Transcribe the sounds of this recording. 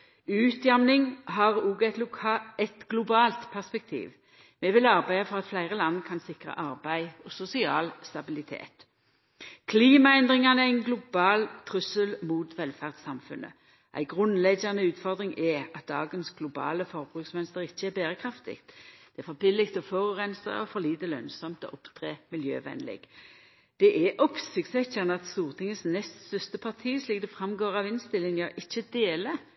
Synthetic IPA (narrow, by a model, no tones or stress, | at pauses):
ʉːt̪jæmnɪŋɦɑʁuːɡəæt̪lʊɛt̪ɡlʊbɑːlt̪pʰæʁspɛk̚t̪ʰḭːʋ | mɛʋɪlɑʁbæɪɑfɔʁɑt̪flæɪʁəlɑnːkʰɑnsɪkʁɑ̰ʔɑʁbæɪɔsʊsɪɑːlst̪ɑbɪlɪt̪ʰḛːt̪ | kʰliːmɑɛnd̪ʁɪŋɑnəɛæɪnɡlʊbɑːlt̪ʰʁʉsəlmuːt̪ʋɛlfæʁd̪sɑmfʉ̰nʔə̰ | ʔæ̰ɪɡʁʉnlɛɡɑnəʉːt̪fɔʁd̪ʁɪŋʔɛɑt̪̚d̪ɑːɡənsɡ̥lʊbɑ̰ːləfɔʁbʁʉksʋɛnst̪əʁɪçːəɛbæːʁəkʰʁɑft̪ɪ̰ɡt̪d̪̥ɛæfɔbɪlːɪkt̪ɔfɔʁʉʁɛnsɑ̰ɔfɔʁliːt̪əlœnsɔmt̪ɔ̰ːʔɔpt̪ʰʁeːmɪljø̰ːʋɛ̰nlɛ̰ɡ | d̪̥ɛʔɛʔɔpsɪkt̪sɛçɑnəɑt̪st̪uːʁt̪ʰɪŋəsnɛst̪st̪œst̪əpʰɑʁt̪ʰiːsliːk̚d̪ɛfʁɑmɡoːʁɑʋɪnst̪ɪlːɪŋɑʁʔɪçːəd̪eːlə